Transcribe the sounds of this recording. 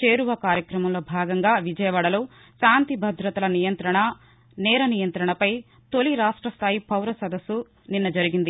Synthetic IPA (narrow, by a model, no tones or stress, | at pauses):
t͡ʃe̞ːɾuʋɐkaːɾjɐkɾɐmɐmlo̞ːbʱaːɡɐŋɡaːʋid͡ʒɐjɐʋaːɽɐloː | ʃaːnt̪ibʱɐd̪ɾɐt̪ɐlɐnijɐnt̪ɾɐɳɐ | nɛːɾɐnijɐnt̪ɾɐɳɐpɐj | t̪oliɾaːʂʈɾɐst̪ʰaːjipʰɐwɾɐsɐd̪ɐsːu | ninːɐd͡ʒɐɾiɡind̪i